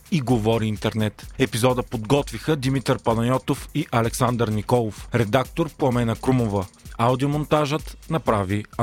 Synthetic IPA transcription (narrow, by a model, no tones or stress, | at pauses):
iɡovɔɾiint̪ɛɾnɛt̪ɛpizɔd̪əpod̪ɡɔt̪vixəd̪imit̪əɾpɐnɐjʲɔt̪ofiʔɐlɛksand̪əɾnikɔlˠofɾɛd̪ak̚t̪oɾpoɐmɛnəkɾumovəawd̪iomont̪aʒət̪nɐpɾavi